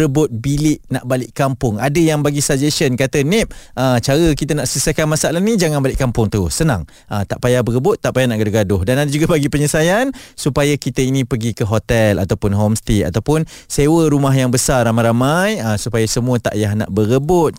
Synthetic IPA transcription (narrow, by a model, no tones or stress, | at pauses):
ɾəbʊt̪̚bilɪʔnaʔbalɪʔkampʊŋadəjaŋbaɡisad͡ʒeʃənkat̪ənɪp̚ʔət͡ʃaɾəkit̪ənaʔsəəsakanmasaʔlahnid͡ʒaŋanbalɪʔkːampʊŋt̪əʊsəna̰ŋ | ʔət̪aʔpajabəɾəbʊt̪ːaʔpajanaʔɡadʊɦɡadʊhdanadad͡ʒuɡabaɡipəɲəsajansupajakit̪əinĩpəɡikəɦot̪ɛla̰t̪awpʊnɦɔmst̪ia̰t̪awpʊnsewəɾumaɦjaŋbəsaramajɾamajəsupajasəmũət̪a̰ʔjaɦna̰ʔbəɾəbʊt̪̚